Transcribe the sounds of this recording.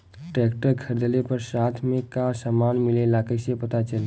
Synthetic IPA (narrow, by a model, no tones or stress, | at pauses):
ʈɛːkʈəɾkʰəɾd̪əlepəɾsaːt̪ʰmẽkasəmanmɪlelaːkəjsepət̪at͡ʃəl